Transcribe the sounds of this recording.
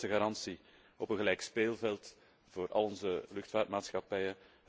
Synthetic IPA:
əɣaɾɑnsi | ɔpənɣəlɛjkspeːlˠvɛlˠt | v̥oːɾʔɑ̰lˠɔnzəlʏxtfaːrtmaːtsxɑpɛjə

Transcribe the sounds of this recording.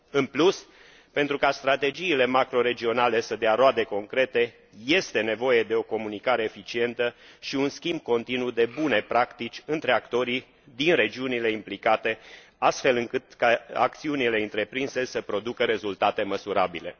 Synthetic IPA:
ɨnplus | pent̪ɾukast̪ɾat̪e̞d͡ʒiːle̞makɾo̞ɾe̞d͡ʒio̞nale̞səd̪eaɾoad̪e̞ko̞ŋkɾe̞t̪e̞ | je̞st̪e̞ne̞vo̞je̞d̪e̞o̞ko̞munikaɾe̞ːfit͡ʃie̞nt̪əʃiunskʲimb̚ko̞nt̪inud̪e̞bune̞pɾakt̪it͡ʃʲɨnt̪ɾe̞akt̪o̞ɾi | d̪inɾe̞d͡ʒiunile̞implikat̪e̞ | ast̪fe̞lɨŋkɨt̪kaa̰k̚t̪siunile̞ɨnt̪ɾe̞pɾinse̞səpɾo̞d̪ukəɾe̞zult̪at̪e̞məsuɾabile̞

